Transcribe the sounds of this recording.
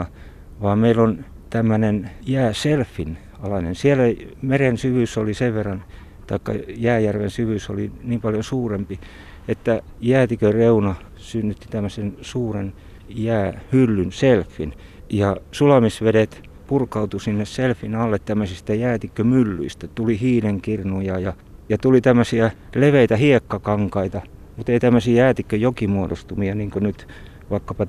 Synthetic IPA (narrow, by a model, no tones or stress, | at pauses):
ʋɑːmmeilon | t̪æmːønenjæːselfːin | ɑlɑnensielæmerensyʋysoliseʋʋerːɑn | t̪ɑikːɑ̰jæːjærʋensyʋyso̰liniːmpɑljonsuːrempi | et̪ːæ | jæːt̪ikøreunɑ | synːyt̪ːi̥t̪æmːøsensuːren | jæːhylːynselfːin | jɑsulɑmisʋedet̪ | purkɑut̪usinːesselfːinɑlːet̪tæmːøsist̪æjæːt̪ikːømylːy̰ist̪æt̪ulihiːneŋkirnujɑjɑ | jɑt̪ulit̪æmːøsiæleʋeit̪æhiekːɑkɑŋkɑit̪ɑmut̪eit̪æmːøsijæːt̪ikːøjokimuodo̰st̪umiɑniːŋkønyt̪ | ʋɑikːɑpɑ